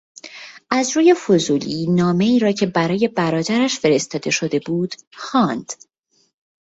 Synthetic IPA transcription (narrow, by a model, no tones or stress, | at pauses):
ʔæzɾuːje̞fozuːliːnɒːme̞iːɾɒːcʰe̞bæɾɒːje̞bæɾɒːd̪æɾæʃfe̞ɾe̞st̪ɒːd̪e̞ʃo̞d̪e̞buːd̪̥xɒːnd̪̥